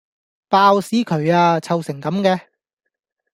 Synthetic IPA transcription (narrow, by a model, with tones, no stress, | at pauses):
paː˧wsiː˨˥kʰɵ˨˧ɥaː˧t͡sʰɐ˨˧wsɪ˨˩ŋkɐ˨˥mkɛː˧